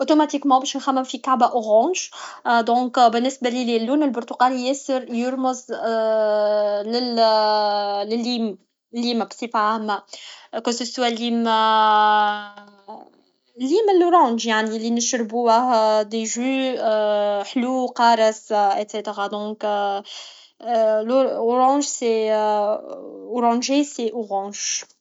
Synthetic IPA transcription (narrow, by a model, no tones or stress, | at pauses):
ʔot̪omat̪ikmɑ̃bɛːʃnxæmːəmfikaʕbæʔoɣɑ̃ːʒd̪ɔ̃ːkbɪnːɪsbalililːuːnəlbʊɾt̪uɡaljɛsəɾjʊɾmʊz | lɪ | lɪlːiːm | lːiːmæbsifʕahmækwæsəswalːiːm | lːiːməlːʊɾɑ̃ːʒjaʕnilinəʃɾbuəhd̪eʒy | ħluqɑːɾˤəset̪set̪eʁad̪ɔ̃ːk | lʊɾɑ̃ːʒsɛ | oɾɑ̃ʒɛsɛʔoʁɑ̃ːʒ̥